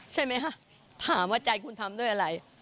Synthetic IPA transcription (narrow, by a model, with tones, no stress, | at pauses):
t͡ɕʰa˥˩jma˦˥jkʰa˦˥ | t̪ʰaː˩˦mwaː˥˩t͡ɕa˧jkʰu˧nt̪ʰa˧mdu˥˩jʔa˧ɾa˧j